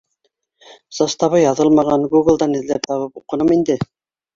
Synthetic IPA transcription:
z̥ɑst̪ɑβɤjɑðɤlˠmɑʁɑɴɡuɡɘ̆lˠd̪ɑnɘ̆ðlæp̚t̪ʰɑβɤpuqɤ̆nɤmind̪ɘ

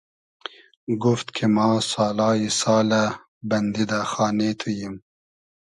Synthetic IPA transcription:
ɡuft̪kʰimɑːsɑːlɑːjisɑːla | bɐnd̪id̪axɑːnet̪ʰujim

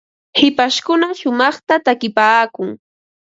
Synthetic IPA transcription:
hɪpaʃkʊnaʃʊmɑχt̪at̪akɪpaːkʊŋ

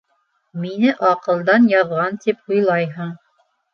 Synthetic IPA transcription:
minɘʔɑqɤ̆lˠd̪ɑnjɑðʁɑnt̪ipujlˠɑjɦɤɴ

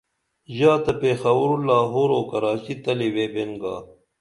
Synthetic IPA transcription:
jaːt̪ɐpeːxɐwuɾulaːɦoːɾoːkɐɾaːt͡ɕit̪ɐliweːbenɡaː

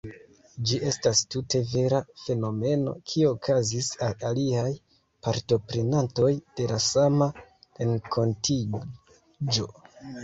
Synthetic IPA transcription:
d͡ʒiʔe̞stastute̞ve̞ɾafe̞no̞me̞no̞̰kʰieokʰazisalaliaj | paɾto̞pɾe̞nanto̞jd̥e̞lasamaɾe̞ŋkʰo̞nti | d͡ʒo̞

